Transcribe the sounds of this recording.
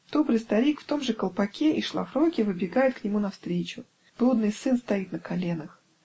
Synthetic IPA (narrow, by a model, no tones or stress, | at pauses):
d̪̥o̞bɾɨjst̪ɐɾʲikft̪o̞mʐɨkəlˠpɐkʲeʔiʂlˠɐ̰fɾokʲɪvɨbʲɪɡajɪt̪̚knʲɪmunɐfst̪ɾʲet͡ɕʊ | b̥lˠud̪nɨjsɨnst̪ɐit̪̚nəkɐlʲe̞nəx